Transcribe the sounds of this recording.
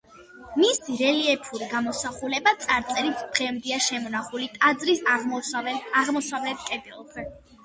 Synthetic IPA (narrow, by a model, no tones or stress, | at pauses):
misd̪iɾɛliɛpʰuɾiɡamɔsaχulɛbat̪sʼaɾt̪sʼɛɾit̪ʰb̪̥ʁɛmd̪iaʃɛmɔnaχulit̪ʼad̪zɾis | aʁmɔsavlɛt̪ʰkʼɛb̪ɛlˠɡzɛ